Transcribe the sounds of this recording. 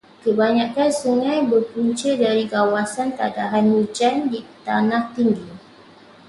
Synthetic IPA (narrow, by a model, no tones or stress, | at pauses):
kəbaɲãkansuŋãjbərpuɲt͡ʃədaɾiɡawasant̪adaɦanwud͡ʒandit̪anãht̪iŋɡi